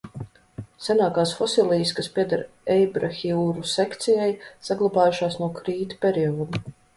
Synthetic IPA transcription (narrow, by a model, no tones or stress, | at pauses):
sɛnaːkaːsfɔsilˠiːskaspʲiɛd̪aɾ | ɛjbɾaxʲiuːɾusɛkt̪sijajsaɡlˠabaːjuʃaːsnuɔkɾiːt̪pʲeɾiɔːd̪u